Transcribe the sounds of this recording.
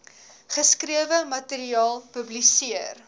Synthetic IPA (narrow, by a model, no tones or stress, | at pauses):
χəskɾiəvəmɐteɾiɑːlˠpɵblisiər